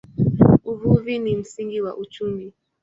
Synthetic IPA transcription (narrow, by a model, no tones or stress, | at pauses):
uvuvinim̩siŋɡiwaʔut͡ʃumi